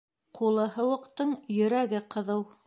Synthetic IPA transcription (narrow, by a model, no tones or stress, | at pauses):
qʰulˠɤɦɤ̆wɤ̆qt̪ɤɴjɵ̆ɾæɡɘqɤ̆ðɤw